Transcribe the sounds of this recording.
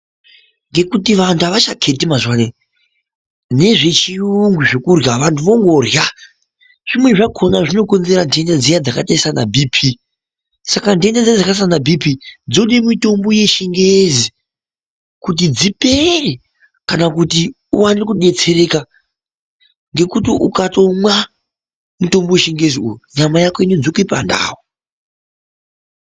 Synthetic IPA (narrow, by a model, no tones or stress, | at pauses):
ŋɡe̞kutiʋantʰuaʋaʃakʰe̞timaʐwane | ne̞ʐe̞t͡ʃiuŋɡuʐe̞kurjaʋantʰuʋo̞ŋɡo̞rja | ʐ̥imwe̞ʐakʰo̞naʐino̞ko̞nze̞ɾandiendad͡zijad͡zakataisana̰bʱipʰi | sakandiendad͡ziad͡zakas̬anabʱipid͡zo̞ɗimito̞mbo̞je̞ʃiŋɡezi | kut̬id͡zipere | kanakuti | uwanikuɗe̞t͡se̞ɾe̞ka | ŋɡe̞kutiʔukato̞mwa | muto̞mbojeʃiŋɡe̞ziujuɲamajakoined͡zokuipanda̰ːwo